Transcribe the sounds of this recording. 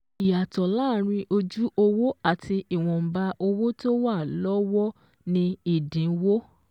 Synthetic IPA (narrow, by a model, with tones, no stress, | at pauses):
i˨ja˨tɔ˨laː˦˨ɾ̃ĩ˧o˧d͡ʒu˦o˧wo˦a˦˨ti˧i˨w̃ɔ̃˨m̩˨ba˧ʔo˧wo˦to˦wa˦˨lɔ˦wɔ˦ | nĩ˧i˦˨dĩ˨˦wo˦